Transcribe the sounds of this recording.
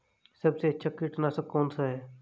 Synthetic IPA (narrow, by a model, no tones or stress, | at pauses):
səbseətːʃʰaːkiʈnasəkoːnsaɦɛː